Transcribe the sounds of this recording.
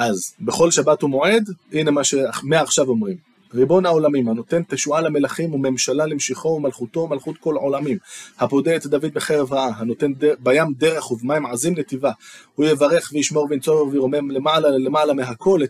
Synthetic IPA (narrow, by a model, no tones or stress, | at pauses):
ʔazbeχo̞lʃabat̪humo̞ʕe̞d̪ʔine̞maʃeameaːχʃavo̞mʁim | ʁibo̞nao̞lamimhano̞t̪e̞nt̪eʃualame̞laχimume̞mʃalalemʃiχo̞umalχut̪o̞malχut̪ko̞lʕo̞lamimhapo̞d̪eːt̪d̪avid̪beχe̞ʁevʁaʔaɦano̞t̪e̞ndebajamd̪e̞ʁe̞χhuvmaimʕazimlet̪ivahujevaʁe̞χvejiʃmo̞ʁveint͡soveʁveʁome̞mlemalale̞malameɦakʰo̞le